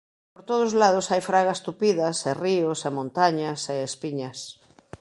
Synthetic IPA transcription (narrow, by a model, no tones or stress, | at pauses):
poɾt̪oð̞ʊzlað̞ʊsajfɾaɣɐst̪upiðɐseriosamõnt̪aɲaseːspiɲɐs